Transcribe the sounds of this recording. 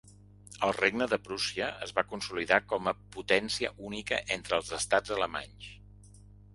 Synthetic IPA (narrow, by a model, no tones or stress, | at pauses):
əlˠreɡ̚nəðəpɾusiəəzβakunsuliðakɔməput̪ɛnsiəʔunikəʔent̪ɾəːlˠzəst̪ad͡zələma̰ɲs